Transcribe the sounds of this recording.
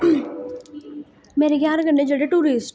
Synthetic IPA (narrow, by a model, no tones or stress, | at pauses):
meːɾeɡjaːɾaɡɐɳɖẽd͡ʒəɽeʈuːɾiːsʈ